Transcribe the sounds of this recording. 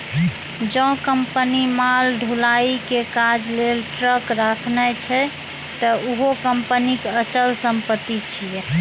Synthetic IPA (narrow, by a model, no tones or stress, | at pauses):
d͡ʒɔ̃kəmpənimalɖʱulaikekad͡ʒlelʈɾəkɾakʰnɛt͡ʃʰɛ | t̪əuɦokəmpənikeət͡ʃəlsəmpət̪ːit͡ʃʰijɛ